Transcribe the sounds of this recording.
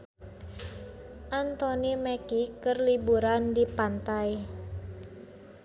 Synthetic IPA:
ʔant̪ɔnimɛkikərlibuɾandipant̪aj

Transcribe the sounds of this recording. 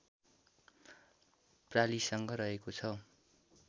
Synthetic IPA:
pralisʌŋɡʌɾʌɦekot͡sʰʌ

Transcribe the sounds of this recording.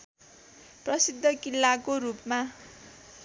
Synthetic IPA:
prʌsid̪ʱːʌkilːakorupma

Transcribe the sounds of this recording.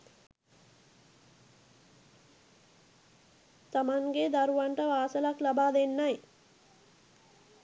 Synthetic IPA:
t̪amaŋɡed̪aɾuʋaɳʈəʋaːsəlaklabaːd̪enːaj

